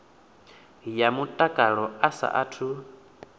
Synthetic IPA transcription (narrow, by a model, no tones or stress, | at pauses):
jamutʼakʼaɺɔasa̰ʔatʰu